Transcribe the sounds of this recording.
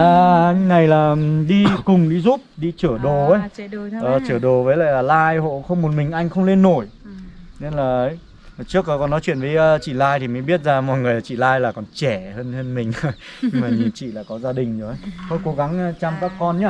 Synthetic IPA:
ʔaː˨˩ŋːna˨˩jlaː˨˩˨ɗi˧kʊ˨˩ŋ͡mɗi˧zu˦˥p̚ɗi˧t͡ɕɨ˧˩əɗo˨˩ə˨˦jɔ˨˩t͡ɕɨ˧˩ɗo˨˩vəː˨˦la̰ː˧˨laː˨˩laː˧jho̰˧˨xə˧wŋ͡mmo˨˩t̚mï˨˩ŋ̟ʔa˧jŋ̟xə˧wŋ͡mle˧nːo˧˩jne˧nlaː˨˩ʔə˨˦j | t͡ɕɨ˦˥ək̚ːɔ˨˦kɔ˨nɔ˨˦jt͡ɕwḭ˧˨ənvəː˨˦jːt͡ɕḭ˧˨laː˧jt̪ʰi˨˩mə˨˦jɓi˦˥ət̚zaː˧mɔ̰˧˨jŋɨ˨˩əla˨˩t͡ɕḭ˧˨laː˧jlaː˨˩kɔ˨˩nt͡ɕɛ˧˩həː˧nhəː˧nmï˨˩ŋ̟˧jɲɲɨ˧ŋmaː˨˩ɲɨ˨˩nt͡ɕḭ˧˨la̰ː˨˩kɔ˨˦zaː˧ɗï˨˩ŋ̟zo˨˩ə˨˦jt̪ʰo˧˦jko˨˦ɣa˨˦ŋː˧t͡ɕa˧mkaː˦˥kːɔ˧nɲa˧

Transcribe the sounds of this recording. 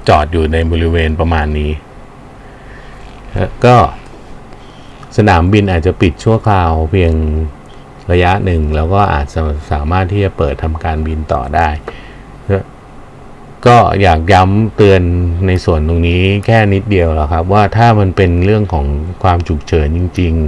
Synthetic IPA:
t͡ɕɔː˨˩t̪̚juː˨˩na˧jbɔː˧ɾi˦˥weː˧npɾa˧maː˧nːiː˦˥˦ | kɔː˥˩ | sa˧naː˩˦mbi˧nʔaː˨˩t̪̚t͡ɕa˨˩pi˨˩t̪̚t͡ɕʰu˥˩əkʰaː˧wpʰi˧əŋ | ɾa˧ja˦˥ʔnɯ˨˩ŋlɛː˦˥wkɔː˥˩ʔa̰ː˨˩t̪̚t͡ɕa˨˩saː˩˦maː˥˩t̪ʰːiː˥˩t͡ɕa˨˩pɤː˨˩t̪ʰːa˧mkaː˧nbi˧nt̪ɔ̰ː˨˩daː˥˩j | kɔː˥˩jaː˨˩k̚ja˦˥mt̪ɯ˧ənːa˧jsu˨˩ənt̪o˧ŋniː˦˥kʰɛː˥˩ni˦˥t̪̚di˧əwla˨˩kʰa˦˥p̬̚waː˥˩t̪ʰaː˥˩ma˧npe˧nɾɯ˥˩əŋkʰɔː˩˦ŋkʰwaː˧mt͡ɕʰu˨˩k̚t͡ɕʰɤː˩˦nt͡ɕi˧ŋt͡ɕi˧ŋ

